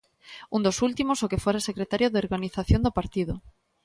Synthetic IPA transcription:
und̪osult̪imosokefoɾasekɾet̪aɾjoðeoɾɣaniθaθjond̪opaɾt̪iðo

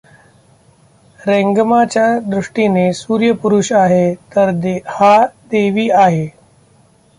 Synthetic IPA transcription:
ɾeŋɡmat͡ɕjad̪ɾuʂʈinesuːɾjəpuɾuɕaɦet̪əɾd̪had̪eʋiːaɦe

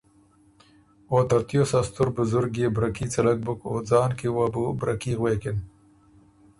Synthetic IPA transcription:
oːt̪ɐɾt̪josast̪ʊɾbʊzʊɾɡjebɾakit͡sɐlɐk̚bʊkoːd͡zɑːnkewabubɾakiɣweːkɪn

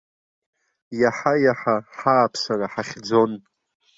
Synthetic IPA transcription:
jaħajaħaħaːpʰsaraħaχʲd͡zo̞n

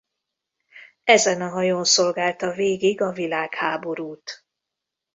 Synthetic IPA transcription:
ɛzɛnɒɦɒjonso̞lɡaːlt̪ɒveːɡiɡɒvilaːkhaːbo̞ɾuːt̪

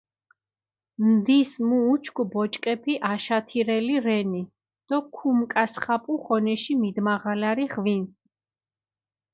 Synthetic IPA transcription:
md̪ismuːt͡ʃʰkʰubɔt͡ʃʼkʼɛpʰiʔaʃat̪ʰiɾɛliɾɛni | d̪̥ɔkʰumkʼasχapʼuχɔnɛʃimid̪maʁalaɾiʁvin

